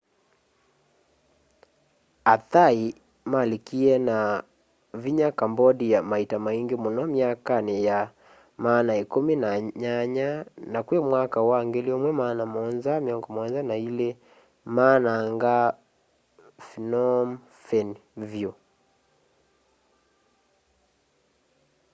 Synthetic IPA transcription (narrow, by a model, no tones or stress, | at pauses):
aθai | malikiɛna | viɲakambɔdijamaitamaiŋɡemɔnɔmiakaneja | maːnaikuminaɲaɲanakwemwakawaŋɡeliɔmwɛmaːnamɔnzamjɔŋɡɔmɔɔnzanaile | maːnaŋɡa | finɔm | fɛnvjo